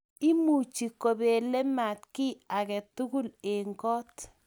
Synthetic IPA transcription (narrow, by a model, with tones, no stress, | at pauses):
i˦mu˨t͡ʃi˨ko˨be˨lɛ˦ma˨tkɪ˦a˨kɛ˨tu˦ku˦le˨ŋkɔ˦t